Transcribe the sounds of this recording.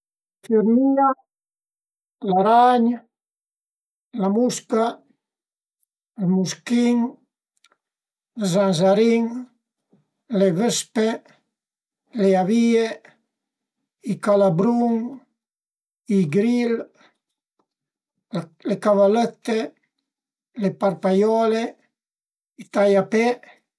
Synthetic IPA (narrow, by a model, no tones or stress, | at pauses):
fiɾmia | laɾaɲ | lamuska | lmuskiŋ | lzanzaɾiŋ | levespe | leaviːe | ikalabɾuŋ | iɡɾil | lekavalɛt̪ːe | leparpajɔle | it̪ajapɛ